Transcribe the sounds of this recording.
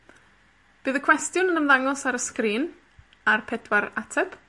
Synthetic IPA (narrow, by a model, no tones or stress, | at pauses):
b̥ɨːðəkʰw̥ɛstjʊnənəmðaŋɔsaɾəskriːn | arpʰɛdwaɾatʰɛp